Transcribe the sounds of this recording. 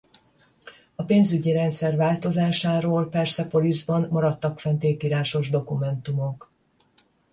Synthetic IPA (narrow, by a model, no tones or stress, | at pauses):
ɒpeːnzyɟiɾɛnt̪sɛrvaːlt̪o̞zaːʃaːɾoːlpɛrsɛpo̞lizbɒnmɒɾɒt̪ːɒkfɛnt̪eːk̪iɾaːʃo̞ʒd̪o̞kumɛnt̪umo̞k